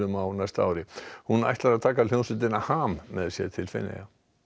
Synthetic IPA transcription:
ʏmawnajst̪aa̰wɾɪhuna̰jht̪laɾaðt̪ʰaːkal̥jownsʏt̪ɪnahaːmːɛðsjɛ̰ɾt̪ʰɪlfɪ̰nːɛ̰ja

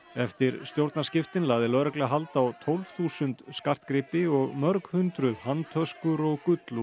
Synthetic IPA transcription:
ɛft̪ɪɾst̪jowɾt̪nascɪft̪ɪnlaːɣðɪlœːɾɛklɛɣaɦalt̪awt̪ʰowlvθuːsʏnt̪skar̥t̪kɾɪpɪɔɣmœɾkhʏnt̪ɾʏðhant̪ʰœskʏɾɔɣkʏt̪lu

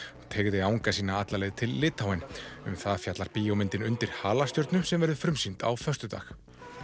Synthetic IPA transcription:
ɔɣt̪ʰeːɣðɪawŋkasiːnaat̪lalɛɣt̪ʰɪlːɪːt̪hawɛnʏ̰mθaðfjat̪laɾpiːjɔwmɪnt̪ɪnʏnt̪ɪɾ̥haːlast̪jɔɾt̪nʏmsɛmvɛɾðʏfɾʏmsint̪a̰wfœst̪ʏt̪a̰ːx

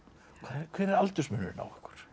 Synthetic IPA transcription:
kʰvakʰvɛːɾɛɾalt̪ʏsmʏnʏ̰ɾna̰wɛ̥hkʏ̥ɾ̥

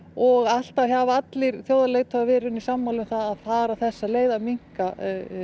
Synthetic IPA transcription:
ɔɣal̥t̪açavaat̪lɪɾ̥θjoːwðaleɣt̪ʰavavɪːɾʏnisamːawlʏmθaðaðfaːɾaθɛsːaleːjðamiŋ̥ka

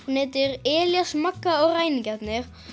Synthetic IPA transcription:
nɪːt̪ɪɾɛːljasmakːaɔɣraːjnɪcɛt̪nɪɾ̥

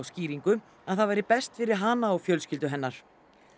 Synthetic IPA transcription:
wsciːɾiŋkʏ | aðθaðvajɾɪpɛst̪fɪɾɪɾ̥ɦaːnaɔɣfjœlscɪlt̪ʏɦɛnːaɾ̥

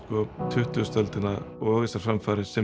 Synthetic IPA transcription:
kɔːt̪ʰʏht̪ːst̪œlt̪ɪnaɔːɣɪsaɾ̥fɾamfaːɾɪsɪ

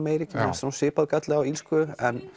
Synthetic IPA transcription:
mejɾicɪɛsasɪːpaðkat̪lɛɣawilskʏɛn

